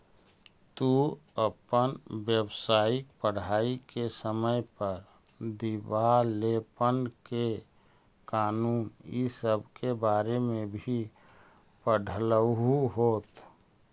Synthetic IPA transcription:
t̪uəpənbjəbsaːik̚pəɽ̤aːikesəməjpəɾ | d̪ibalepənke | kaːnuːnisəbʱkebaːɾemẽbʱi | pəɖʱələɦuɦoːt̪

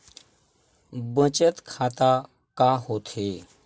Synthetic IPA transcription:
bət͡ɕət̪kʰat̪a | kaɦot̪ʰe

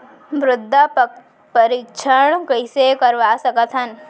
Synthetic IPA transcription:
bɾʊd̪ʱːap | pəɾikʃʰəɽ̃kɐɪsekɐɾʋasɐkət̪ɦən

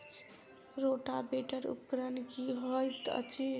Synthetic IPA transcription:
t͡ʃʰ | ɾoʈabeʈəɾṵkɾənkiɦojt̪ə̰t͡ʃʰe

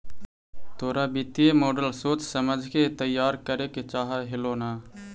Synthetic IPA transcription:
t̪oːɾaːbit̪ijemoːɖəlsoːt͡ʃsəməd͡ʒʱket̪əjːaːɾkəɾeket͡ʃaːɦaɦɪloːnaː

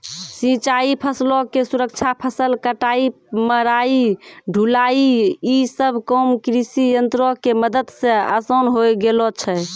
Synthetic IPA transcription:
sĩt͡ʃaipʰəslɔkesuɾək̚t͡ʃʰapʰəsəlkəʈai | məɾaiɖʱulaiisəbʱkɔmkɾisijənt̪ɾɔkeməd̪əd̪sẽə̰sənɦojɡelɔt͡ʃʰɛ

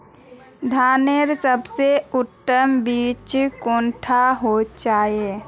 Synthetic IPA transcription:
d̪ʱaːneɾsəbseʊʈːəmbiːt͡ʃkõːnʈʰaɦot͡ʃaːe

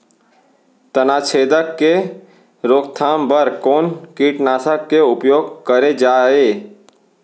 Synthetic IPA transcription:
t̪ənaːt͡ʃʰeːd̪əkːe | ɾoːkt̪ʰaːmbəɾkoːnkiːʈnaːsəkːeʊpjoːɡkəɾed͡ʒaːeː

